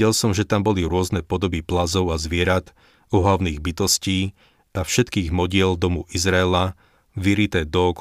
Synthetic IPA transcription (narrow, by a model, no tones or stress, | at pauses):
ɛlsɔmʒɛt̪ambɔliɾʊɔznɛpɔd̪ɔbiplazɔʊazʋɪɛɾat̪ | ɔɦlaʊniːɣbit̪ɔsciː | afʃɛt̪kiːɣmɔɟɪɛld̪ɔmuʔizɾaɛla | ʋiɾit̪ɛd̪ɔk